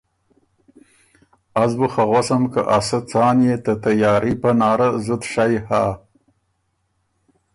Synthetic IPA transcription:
azbuxaɣwasamkaʔasat͡sɑːnjet̪at̪ajɑːɾipanɑːɾazʊt̪ʂajha

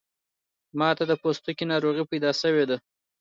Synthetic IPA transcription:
mɑt̪ad̪əpost̪ukinɑɾoɣipajd̪ɑsəwed̪a

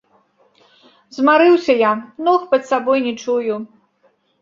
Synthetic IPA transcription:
zmaɾɨwsʲɐjanɔxpɐt̪sabɔjnʲɛt͡ʂuju

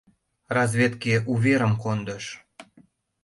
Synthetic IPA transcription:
rɑzvʲet̪keʔuβʲeɾə̆mkond̪əʃ

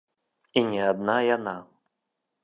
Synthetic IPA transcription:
inʲɛad̪najana

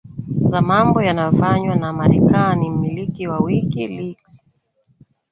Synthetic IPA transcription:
zamambɔjanajɔfaɲwanamaɾɛkanim̩milikiwawikiliks

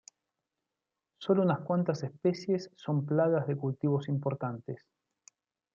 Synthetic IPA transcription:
so̞lounaskwant̪asespesje̞sːo̞mplaɣazðe̞kult̪iβo̞simpo̞ɾt̪ant̪es

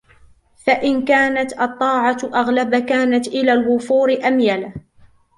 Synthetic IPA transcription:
faʔɪnkaːnat̪ʔɑt̪ˤːɑːʕɑt̪ʔaɣlabakaːnat̪ʔɪlaːlwʊfuːɾɪʔamjala

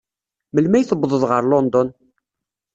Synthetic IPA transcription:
məlmæjθəbːðˤəðˤʁəɾlɔnd̪ɔn

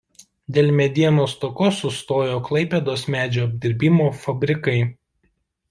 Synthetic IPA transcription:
d̪ʲeːlʲmʲɛd̪ʲiɛnoːst̪ɔkosʊst̪oːjoːklˠɐɪpʲed̪oːsmʲæːd͡ʒʲoːɐbʲd̪ʲɪɾʲbʲɪmoːfɐbʲɾʲɪkɐɪ

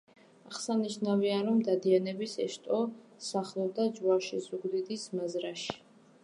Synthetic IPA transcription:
aχsaniʃnaviaɾɔmd̪ad̪ianɛbisɛʃt̪ʼɔsaχlˠɔb̚d̪ad͡ʒwaʃizuɡd̪id̪ismazɾaʃi̥

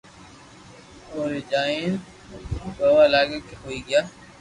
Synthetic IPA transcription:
oːɾiːd͡ʒaːĩːn | bəʋaːlaːɡeːkeɦoːiːɡɪjaː

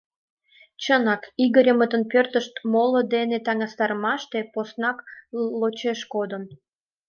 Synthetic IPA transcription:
t͡ɕənɑkiɣəɾʲəmət̪ənpørt̪əʃt̪molod̪enet̪ɑŋɑst̪ɑɾəmɑʃt̪eposnɑklot͡ɕeʃkod̪ən

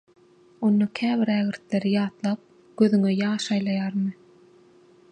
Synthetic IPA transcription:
o̞nːɑkʲʰæːviɾæɣiɾt̪le̞ɾijɑːt̪lˠɑːp̚ | ɡ̥øðyŋøjɑːʃɑjlˠɑjɑːɾmɯ

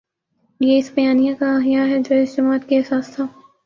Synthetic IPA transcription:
jeɪsbɐjaːnijãkaaːɦijaɦɛd͡ʒoːɪsd͡ʒɐmaːət̪̚keɛsaːst̪ʰaː

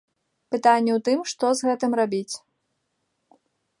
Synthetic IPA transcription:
pɨt̪anʲːɛwt̪ɨmʂt̪ɔzɣɛt̪ɨmrabʲit͡sʲ

